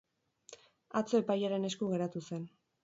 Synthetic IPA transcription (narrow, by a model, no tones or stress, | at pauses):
at͡so̞e̞pajaɾe̞ne̞skuɣe̞ɾat̪use̞n